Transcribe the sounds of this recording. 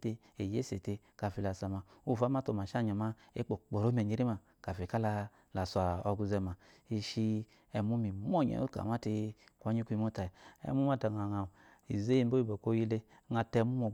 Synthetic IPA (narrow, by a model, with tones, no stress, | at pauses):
te˧ | e˨je˦se˨te˧ | ka˨fi˧˨la˨sa˨ma˨u˦˨fa˦ma˦to˧˨ma˨ʃa˦˨ɲa˨ma˦ḛ˦k͡po˨k͡po˨ɾo˨˦m˦e˨ɲe˧˦ɾi˦ma˨ | ka˨fi˨ka˦la˧ | la˨sa˨o˧ɡu˧zɛ˧ma˨i˧ʃi˧ | ɛ˧mu˦mi˨m˦o˦˨ɲḛ˨o̰˦ka̰˨ma˦ti˧kʷa˦ɲi˦ku˦i˧mo˦ta˨i˨ɛ̰˧˦mu˦m˦a˦˨ta˨ŋa˨ŋa˨ | i˨ze˦ji˦˨˦bo˦i˦˨bo˨ko˦ji˦le˧˦ | ŋa˧tɛ˧˦mu˦o˨